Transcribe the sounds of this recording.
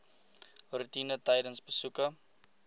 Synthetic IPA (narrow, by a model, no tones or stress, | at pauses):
ɔɾitinətəjdənsbəsukə